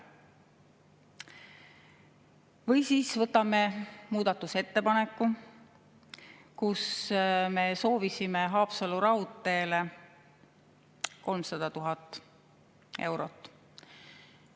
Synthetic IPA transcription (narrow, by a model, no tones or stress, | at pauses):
vɤjsiːsvɤt̪ːˑɑme̞muːd̪̥ɑt̪ːˑuse̞t̪ːe̞pɑnekˑːu | kusme̞so̞ːvisimeɦɑːpsɑluɾɑut̪ːˑe̞ːle | ko̞lmsɑd̪̥ɑt̪uɦɑt̪ːˑ | e̞wɾo̞t̪ːˑ